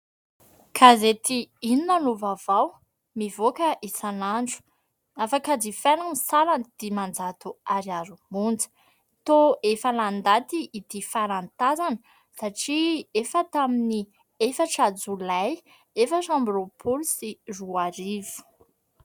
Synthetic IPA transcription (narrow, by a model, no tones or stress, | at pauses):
kʰazet̪iininanuvavaw | mivokəʔisanaɳɖ͡ʐu̥ | afakad͡zifanəmisaland̪̥imand͡zat̪uaɾiaɾumund͡zə̥ | t̪oefəland̪at̪iːd̪ifaɾant̪azanə | saʈ͡ʂiefət̪amini | efəʈ͡ʂad͡zulaj | efaʈ͡ʂambɾopʰulusiruaɾivu̥